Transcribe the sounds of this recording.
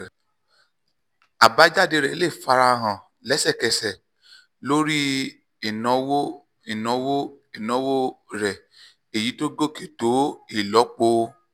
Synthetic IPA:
a˨ba˨˦d͡ʒa˦˨de˧ɾɛ˨˦le˦˨fa˧ɾa˧ɦã˨ | lɛ˨˦sɛ˦˨kɛ˨sɛ˨ | lo˦ɾi˦ | ɛ˨nɔ̃˨˦wo˦ | i˨nɔ̃˨˦wo˦ | i˨nɔ̃˨˦wo˦ɾɛ˨ | e˨ji˨˦to˦ɡo˦˨ke˨to˨˦i˦˨lɔ˨˦k͡po˧

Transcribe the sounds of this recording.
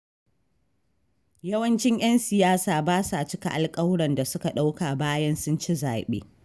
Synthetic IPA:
jɐ˦wɐ˦nt͡ʃɪ˦ɲʔj̰ɐ˦nsɪ˨jaː˦saː˨baː˦saː˨t͡ʃɪ˦ka̰˨ʔa˨lkʼɐ˦wɽɐ˨nda˨sʊ˦ka˨ɗa˦wka˨baː˦jɐ˦nsʊ˦nt͡ʃi˦zaː˨ɓḛː˦

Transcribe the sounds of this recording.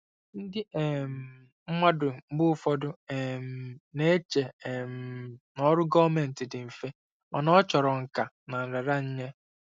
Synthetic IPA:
n̩˦dɪ˦e˨m̩˨ | m̩˦ma˦dʊ˨m̩˦bʊ˦fɔ˦dʊ˦e˨m̩˨ne˦e˦t͡ʃe˨m̩˨nɔ˦ɾʊ˦ɡɔ˦me˨n̩˨tɪ˨dɪ˨m̩˨fe˦ | ma˨nɔ˦t͡ʃɔ˨ɾɔ˨ŋ̩˨ka˨ | na˨n̩˨ɾa˨ɾa˦ɲ̩˦ɲe˦

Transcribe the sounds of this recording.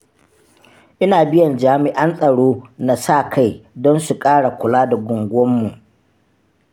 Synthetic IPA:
ʔɪ˦naː˨bɪ˦jɐ˨nd͡ʒaː˦mɪ˦ʔa˦nsʼɐ˨ɽoː˦na˨sa˦˨kʰa˦jdɔ˦nsu˨kʼaː˦ɽa˨kʷʊ˨laː˦da˨ɡʷʊ˨ŋɡʷʊ˦ɔ˦mːu˨ʔ

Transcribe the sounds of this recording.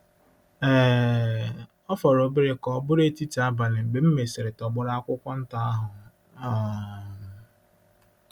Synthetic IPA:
eː˦˨ | ɔ˦fɔ˨ɾo˨bɪ˦ɾɪ˦kɔ˨˦bʊ˦ɾe˦ti˦ti˨a˦ba˨nɪ˨m̩˨ɡ͡be˨m̩˦me˨sɪ˨ɾɪ˨tɔ˨ɡ͡bʊ˦ɾa˦a˦kʷʊ˦kʷɔ˦n̩˦ta˦a˦ɦʊ˨˦˨

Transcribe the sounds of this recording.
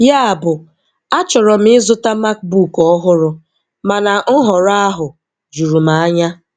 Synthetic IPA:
ja˦a˨bʊ˨ | a˦t͡ʃɔ˨ɾɔ˨m̩˦ɪ˦zʊ˦ta˦ma˦k̚bu˦˨kɔ˦ɦʊ˦ɾʊ˦ | ma˨na˨˦ɦɔ˨ɾa˦a˦ɦʊ˨ | d͡ʒu˨ɾu˨ma˨a˦ɲa˦

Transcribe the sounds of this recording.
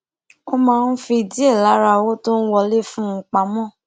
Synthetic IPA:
o˧mãː˧n̩˦fĩ˧i˨di˦e˦˨la˨˦ɾa˧wo˦to˦n̩˦wɔ˧le˦fũ˦˧k͡pa˨˦mɔ̃˦˨

